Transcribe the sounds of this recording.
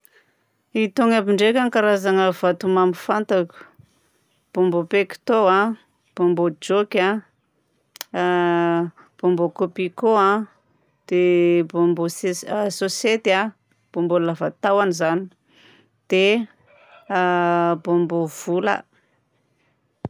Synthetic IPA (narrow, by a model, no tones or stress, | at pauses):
it̪oŋabiɳɖ͡ʐekʲaŋkaɾazaŋəv̥at̪umamifant̪akʲu̥ | b̥ombopekʲi̥t̪oã | b̥ombod͡ʒokʲa | b̥ombokopikoa | d̪̥ebombososet̪a | b̥ombollavat̪awanizani | d̪̥e | bombov̥ulə̰